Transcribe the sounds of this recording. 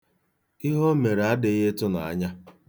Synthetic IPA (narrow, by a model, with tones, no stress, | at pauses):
ɪ˦ɦo˦me˨ɾe˨a˦dɪ˨ɣe˦tʊ˦na̰˨a̰˦ɲa˦